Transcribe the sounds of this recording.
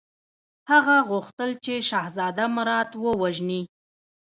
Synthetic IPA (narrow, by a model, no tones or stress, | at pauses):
haɣaɣʊxt̪əlt͡ʃeʃɑhzɑd̪amɾɑt̪wəwaʒni